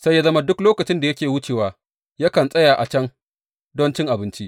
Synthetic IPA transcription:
sa˦jːa˦zɐ˦ma˦dʊ˦kloː˦kɐ˨t͡ʃɪ˦nda˨jɐ˦kʲeː˨wʊ˦t͡ʃeː˨waː˨ | ja˦kɐ˨nsʼɐ˦jaː˨ʔa˨t͡ʃɐ˦ŋ | dɔ˦nt͡ʃɪ˦ŋʔa˨bɪ˦nt͡ʃi˦ʔ

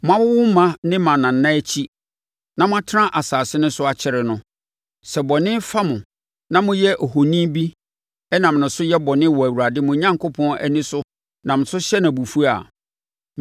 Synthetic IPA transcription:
mʊ̃˦ã˦wʊ˦wʊ̃˦m˦mã˦nɪ̃˦mã˨nã˨n̩ː˨˦ã˦æ˦t͡ɕʰi˦ | nã˨mʊ̃˦a˦tʰɪ˦ɾã˦ʔa˨saː˨sɪ˦nʊ̃˦sʊ˦a˨t͡ɕʰɪ˨ɾɪ˨nʊ̃˨ | sɛ˨bɔ˨nɪ̃˦fa˦mʊ̃˨ | nã˦mʊ̃˦jɛ˦ʔo˨ɦo˨nĩ˦bi˦ | ɛ˦nã˨m˨nʊ̃˨sʊ˦jɛ˦bɔ˨nɪ̃˦wɔ˨æ˨wu˨ɾa˨dɪ˦mʊ̃˨ɲã˦ŋkʰo˦pʰɔ̃˦nɛ̰˦nɪ̃˦sʊ˦ | nã˨m̩̃˨sʊ˦ɕɛ˦nã˨bu˨fu˦a̰˨

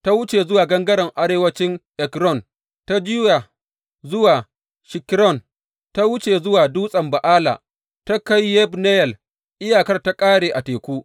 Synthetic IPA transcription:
ta˦wʊ˦t͡ʃe˨zʊ˦waː˨ɡɐ˦ŋɡɐ˦ɽɐ˨ŋʔa˦ɾeː˨wɐ˦t͡ʃɪ˦ŋʔɛ˨kɾɔ˦˨n | ta˦d͡ʒiː˦ja˨ | zʊ˦waː˨ | ʃɪ˨kɾɔ˦˨n | ta˦wʊ˦t͡ʃe˨zʊ˦waː˨duː˦sʼɐ˨mba˨ʔaː˦la̰ː˨ | ta˦ka˦jːɛ˦bnɛ˦jɛ˨l | ʔɪ˦jaː˨kɐ˦rta˦kʼaː˦ɽeː˨ʔa˨teː˨kʷuː˦

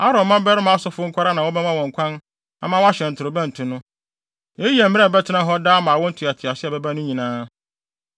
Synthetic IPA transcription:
a˦ɾɔ̃˨˦mã˦bɛ˦ɾɪ˦mã˦a˦sʊ˦fʊ˦ŋ̩˦kʰʷa˦ɾa˦nã˨wɔ˦bɛ˦mã˦wɔ̃˨ŋ˨kʷʰã˦n | a̰˨mã˦wɔ˦a˦ɕɛ˨n̩˨tʰʊ˨ɾʊ˨bɛ̃˦n̩˨tʰʊ˨nʊ̃˦ | jɛ˦ji˦ɛ˨m̩˦mɪ̃˦ɛ˨bɛ˦tʰɪ˦nã˦ɦɔ˦daː˦mã˨wɔ̃˦n̩˦tʰu˨a˨tʰɪ˨a˨sɪ˦ɛ˨bɛ˦ba˦nʊ̃˦ɲĩ˨nãː˦

